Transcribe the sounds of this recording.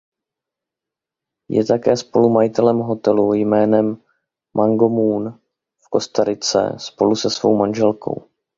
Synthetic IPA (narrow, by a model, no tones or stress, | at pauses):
jɛ̰t̪akɛːspo̞lumajɪt̪ɛlɛmɦo̞t̪ɛlujmɛːnɛmː | ʔaŋɡo̞muːn | fko̞st̪aɾɪt͡sɛ̰spo̞lusɛsvo̞̰wmanʒɛlkʰo̞̰w